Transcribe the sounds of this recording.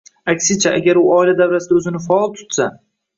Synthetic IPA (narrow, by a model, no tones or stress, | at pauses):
akʲsɪt͡ʃʰaʔaɡʲaɾʊɒɪlad̪awɾasɪd̪aɵzɪnɪfaɒlˠt̪ʰʊ̥t̪sa